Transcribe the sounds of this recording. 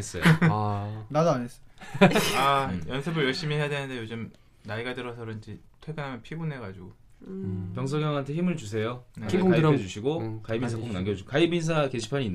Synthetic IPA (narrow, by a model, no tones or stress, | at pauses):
es͈ʌ | nadoaɲes͈ʌ̥ | ajʌnsʰɯbɯɭjʌɭɕ͈imiɦe̞jadwenɯnde̞jod͡ʑɯm | naiɡadɯɾʌsʰʌɾoid͡ʑe | tʰweɡɯnɦamjʌnpʰibunɦe̞ɡad͡ʑiɡo | pjʌŋs̬ʰʌɡjʌŋɦantʰe̞çimɯɭt͡ɕus̬ʰe̞joneɡad͡ʑuɕʰiɡokaibinnsʰak͈ʰoŋnaŋɡʌukaibins̬ʰake̞ɕʰi̥pʰaɲiːnː